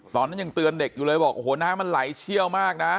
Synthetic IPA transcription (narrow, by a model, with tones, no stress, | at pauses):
t̪ɔː˧˩nːa˦˥ɲɨ˧˩ŋt̪ɨ˧ənde˨˩k̚juː˨˩lɤː˧jbɔː˨˩k̚hu˩˦ənaː˧˥˩ma˧˨nla˨˩˦jt͡ɕʰi˧əwmaː˥˩k̚na˦˥